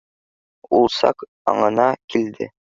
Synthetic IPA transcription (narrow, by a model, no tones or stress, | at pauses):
ulˠsɑ̰k | ɑ̰ɴɤ̆nɑkʰild̪ɘ̰